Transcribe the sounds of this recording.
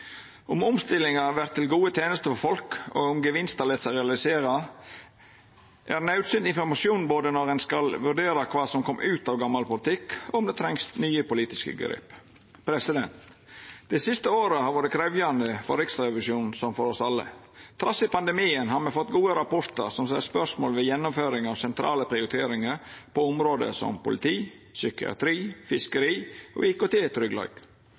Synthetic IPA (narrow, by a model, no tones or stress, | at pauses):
ʊmʊmst̪ɪlɪŋɑʋæɾt̪ʰːɪlɡuːət̪ʰeːnəst̪əfɔɾfɔlko̰ːʊmɡəʋɪnst̪ɑɾlɛt̪sæɪɾɛɑlɪseːɾɑ | ʔæɾnɑʉt̪synd̪ɪnfɔɾmɑsɪuːnboːd̪ənɔɾɛnskɑlʋʉɾɖ̪eːɾɑkʰʋɑːsɔmkʰɔmːʔʉːt̪ɑːʋɡɑmːɑlpʊlɪt̪ɪkːɔmd̪ɛːt̪ʰɾɛŋsnyːəpʊliːt̪ɪskə̰ɡə̰ɾɪ̰p | pɾɛsɪd̪ɛnt̪ | d̪̥ɛɪsɪst̪əoːɾəhɑɾʋoːɾəkʰɾɛʋjɑnd̪əfɔɾɪksɛʋɪʂuːnnsɔmfɔɾɔsɑlːə̰ | t̪ʰɾɑsɪpɑnd̪ɛmiːənɦɑːɾmɛfɔt̪ːɡuːəɾɑpɔɾt̪əɾsɔmsæspœʂmoːlʋɛjɛnːʊmføːɾɪŋɑʋsɛnt̪ʰɾʔɑ̰ːləpʰɾɪʊɾɪt̪ʰeːɾɪŋəɾpʰɔʊmɾoːd̪ə̰sɔ̰mpʊlɪt̪ʰiː | sʏkɪɑ̰t̪ʰɾiːfɪskəɾiːʔo̰ːɪkʊt̪ʰeːt̪ʰɾʏɡlɑ̰ːɡ̥